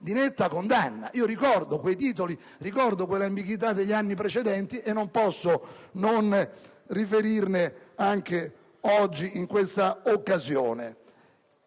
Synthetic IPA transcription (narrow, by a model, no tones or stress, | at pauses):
d̪inet̪ːakond̪anːa̰iːoɾikɔrd̪ʊkwejt̪̬iːt̪oli | rikɔrd̪okwelambiɡwit̪̬ad̪eʎːanːipɾet͡ʃɛd̪ɛnt̪iʔenːompɔsːonon | rifeɾirnɪaŋk̟e | ɔd͡ʒːiiŋkwest̪aokːazjo̰ːnḛ